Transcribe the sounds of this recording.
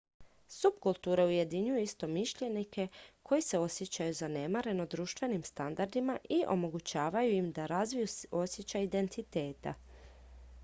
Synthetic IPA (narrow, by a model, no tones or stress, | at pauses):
subkulˠt̪uːɾeuje̞d̪iɲujuist̪o̞miʃʎe̞nike̞kʰo̞jise̞o̞sje̞t͡ɕajuzane̞maɾe̞no̞d̪ɾuːʃt̪vʋe̞nimst̪and̪aɾd̪imaʔiʔo̞mo̞ɡut͡ɕaːʋajuimd̪aɾazʋijuo̞sjet͡ɕaid̪e̞nt̪it̪e̞ːt̪a̰